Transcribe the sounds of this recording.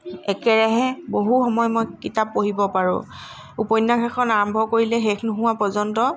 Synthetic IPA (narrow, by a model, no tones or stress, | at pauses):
ɛkɛɹɛɦɛboɦuxɔmɔjmojkitap̚ːoɦibɔpaɹʊ̰̃ | upɔjnːakʰɛkʰɔnaɹɔmbʱɔkoɹilɛɦexnʊɦʊ̃wapɔzɔntɔ